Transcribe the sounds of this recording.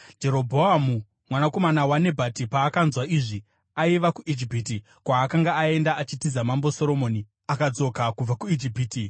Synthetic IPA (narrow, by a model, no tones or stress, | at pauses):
d͡ʒe̞ɾo̞bʱo̞amu | mwanako̞manawane̞bʱatipaːkanzwaiʐi | aiʋakuʔid͡ʒipiti | kwaːkaŋɡaːe̞ndaat͡ʃitizamambo̞so̞ɾo̞mo̞ːni | akad͡zo̞kakub͡vakuid͡ʒipiːti